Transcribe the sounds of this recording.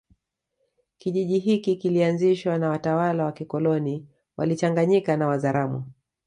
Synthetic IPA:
kiʄiʄiɦikikilianziʃwanawatawalawakikɔlɔni | wʔa̰lit͡ʃaŋɡaɲikanawazaɾamṵ

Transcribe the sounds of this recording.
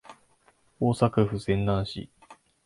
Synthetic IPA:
oːsakɯɸɯ̟sẽ̞nd̪ãɰ̃ɕḭ

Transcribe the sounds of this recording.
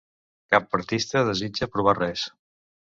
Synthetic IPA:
kapːəɾt̪ist̪əðəzid͡ʒəpɾuβ̞arɛs

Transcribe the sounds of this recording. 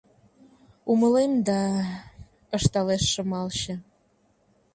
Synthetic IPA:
uməlemd̪ɑ | əʃt̪ɑleʃːə̆mɑlɕə̆

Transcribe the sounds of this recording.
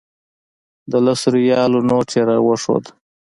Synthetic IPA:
d̪əlasɾujɑːlonoʈʰeɾawəʂo̰d̪

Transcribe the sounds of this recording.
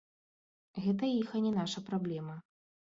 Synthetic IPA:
ɣɛt̪̬ɐixɐnʲɛnaʂɐpɾablʲɛmɐ

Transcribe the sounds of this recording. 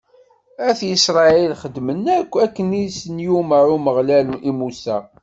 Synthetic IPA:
æθjisɾˤɑilχəd̪ːmənːækʷːækːənisənjuməɾuməʁlælimusæ

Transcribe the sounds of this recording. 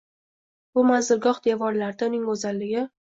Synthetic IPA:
bʊmazd̪ɪɾɡɒχd̪evɒɾlaɾd̪aʊnɪŋɵzalːɪɡʲɪ

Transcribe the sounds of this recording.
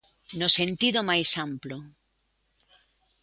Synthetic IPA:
nosẽnt̪iðomajsamplo

